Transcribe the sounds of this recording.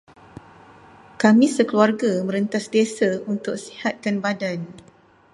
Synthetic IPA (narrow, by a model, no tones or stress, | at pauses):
kamĩsəkluarɡamə̃ɾənt̪asdesaunt̪ʊk̚si̥hat̪̚kanbadan